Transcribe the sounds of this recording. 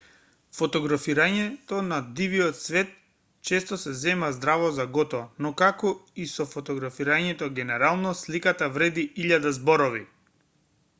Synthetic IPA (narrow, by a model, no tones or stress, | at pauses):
fɔt̪ɔɡɾafiɾaɲɛt̪ɔnad̪iviɔt̪svɛt̪̚ | t͡ʃɛst̪ɔsɛzɛmazd̪ɾavɔzaɡɔt̪ɔnɔkakɔisɔfɔt̪ɔɡɾafiɾaɲɛt̪ɔɡɛnɛɾalˠnɔslikat̪avɾɛd̪iiʎad̪azbɔɾɔvi